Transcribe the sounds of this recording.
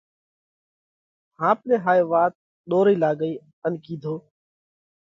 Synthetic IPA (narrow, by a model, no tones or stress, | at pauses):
hãːp̚lẽːɦaːeːʋaːt̪̚ | ɗoːɾiːlaːɡəiː | ənkĩːd̪ʱoː